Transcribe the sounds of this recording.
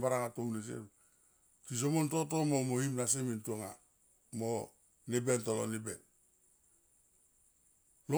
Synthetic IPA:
baɾaŋatomnis̬ḛm | tis̬omontotomomohimnas̬emintuoŋa̰ | mo | nebentolo̰nibḛn | lo

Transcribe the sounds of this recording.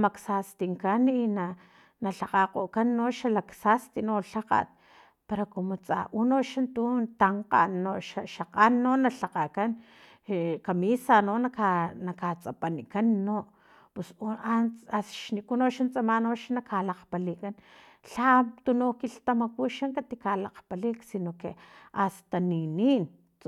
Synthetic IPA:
maksast̪iŋkanina | naɬaqaqoʔkanːoʃalaksast̪inoɬaqa̰t̪̚ | peɾakomot͡sʼa̰ʔunoʃant̪unt̪aɴqa̰nːoʃaʃaqanːonaɬaqakan | kamisanonakanakat͡sʼapanikanːo | pusanasʃnikunoʃant͡sʼamanoʃanakalaqpalikan | ɬat̪unokilt̪amakuʃaŋkat̪ikalaqpaliksinokeʔast̪aninin

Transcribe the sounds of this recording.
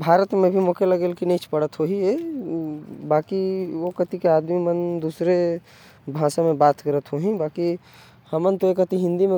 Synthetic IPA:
bʱaːɾət̪mẽbʱimokeləɡeːlkinəit͡ʃʰpəɽət̪ɦoɦie | bakiokət̪ikeaːd̪mimənd̪usɾe | bʱãsãmẽbaːt̪kəɾət̪ɦoɦĩbaːki | həmənt̪oekət̪iɦɪ̃nd̪imẽ

